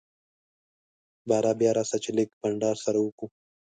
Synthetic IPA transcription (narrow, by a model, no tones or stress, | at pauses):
baːɾaːbjaːɾaːsɐt͡ɕlikbɐɳɖaːɾsɐɾuːkũ